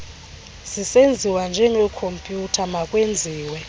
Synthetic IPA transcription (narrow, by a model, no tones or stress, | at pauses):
z̥isend͡zʱiwand͡ʒʱɛŋɛkʰompʼjutʰamakʼwend͡zʱiːwɛ